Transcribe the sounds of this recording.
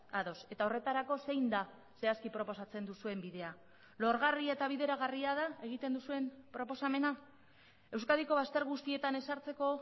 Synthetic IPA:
aðo̞se̞t̪ao̞re̞t̪aɾako̞se̞jnd̪a | se̞askipɾo̞po̞sat͡se̞nd̪usue̞mbiðe̞a | lo̞ɾɣariaet̪aβ̞iðe̞ɾaɣariaðae̞ɣ̞it̪e̞nd̪usue̞mpɾo̞po̞same̞na | e̞wskaðiko̞β̞ast̪e̞ɾɣust̪ie̞t̪ane̞saɾt͡se̞ko̞

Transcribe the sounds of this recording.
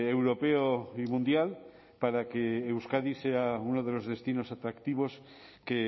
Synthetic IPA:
ewɾo̞peoimũnd̪jal | paɾakeːwskaðiseaunoð̞e̞lo̞zðe̞st̪ino̞sat̪ɾakt̪iβ̞o̞s | ke

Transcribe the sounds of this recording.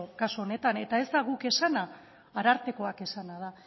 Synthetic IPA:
okasoone̞t̪ane̞t̪ae̞zd̪aɣuke̞sanaː | ɾaɾt̪e̞ko̞ake̞sanað̞a

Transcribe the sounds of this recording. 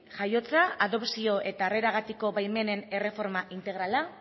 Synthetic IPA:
ʝajo̞t͡saaðo̞psio̞ʔe̞t̪are̞ɾaɣat̪iko̞βajme̞ne̞ne̞re̞fo̞ɾmaʔint̪e̞ɣɾala

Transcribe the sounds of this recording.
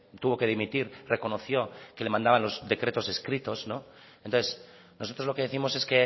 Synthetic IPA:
t̪uβo̞ke̞ðimit̪iɾre̞ko̞noθjo̞kele̞mãnd̪aβanlo̞zðe̞kɾe̞t̪o̞se̞skɾit̪o̞sno̞ | ent̪onθes | no̞sot̪ɾozloke̞ðeθimo̞se̞ske

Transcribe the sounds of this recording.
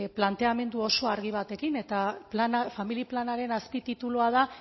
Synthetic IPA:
plant̪e̞ame̞nd̪uo̞so̞aɾɣiβ̞at̪e̞kine̞t̪aplanafamiliplanaɾe̞naspit̪it̪uluað̞a

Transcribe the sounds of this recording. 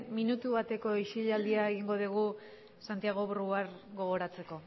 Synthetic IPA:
minut̪uβat̪e̞ko̞iʃiʎald̪iaeɣiŋɡo̞ðiɣ̞u | sant̪iaɣ̞o̞βruaɾɡo̞ɣ̞o̞ɾat͡se̞ko̞

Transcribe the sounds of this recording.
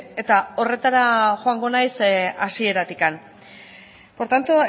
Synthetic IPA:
e̞t̪ao̞re̞t̪aɾaʝoaŋɡo̞najsasie̞ɾat̪ikan | po̞ɾt̪ant̪o

